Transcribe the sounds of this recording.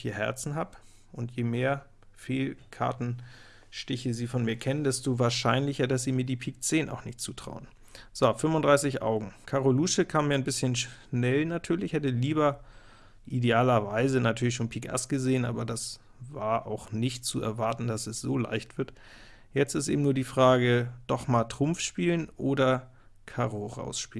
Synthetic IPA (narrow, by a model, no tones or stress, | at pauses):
iːɐhɛ̰ɐt͡sn̩ɦaːp | ʔʊntjeːmeːɐ | feːlkʰa̰ɐtn̩ | ʃtɪçəziːfɔnmiːɐkʰɛnəndɛstoːvaːɐʃaɪnlɪçɐdas̬z̥iːmiːɐdiːpʰiːk̚t͡seːna̰ʊxnɪçtt͡suːtʁ̥a̰ʊən | z̥ofʏmvʊndʁaɪsɪçʔa̰ʊɡŋ̩kʰaʁoluːʃəkʰaːmiːɐanbɪsçənʃnɛlnatʰyːɐlɪçhɛtəliːbɐ | ʔideaːlɐvaɪzənatʰyːɐlɪçʃoːnpʰiːkʔa̰sɡ̥əzeːənʔa̰ːbɐdas | vaːɐʔa̰ʊxnɪçtt͡suɛ̰ɐvaɐtn̩dasɛsz̥oːla̰ɪçtv̥ɪɐt | jɛt͡stɪstʔḛːbm̩nuːɐdiːfʁ̥aːɡəd̥ɔχmaːltʁ̥ʊmfʃpiːlənʔoːdɐ | kʰaʁoʁa̰ʊsʃpiːln